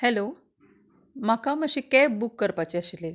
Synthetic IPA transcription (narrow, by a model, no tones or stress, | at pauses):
hɛlo | makaməɕikɛbukːəɾpat͡ɕeaɕile